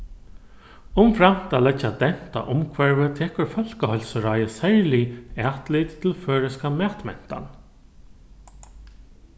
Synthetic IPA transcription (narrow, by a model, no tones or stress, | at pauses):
ʊmfɾam̥t̪aːlɛt͡ʃːad̪ɛn̥t̪a̰ʔʊmkʰvɛɹʋət̪ʰɛːkəɹfœl̥kəhɔjlsəɾajəsɛɹlɪɛːht̪lɪt̪tʰːɪlføːɹəskamæːht̪mɛ̰n̥t̪a̰n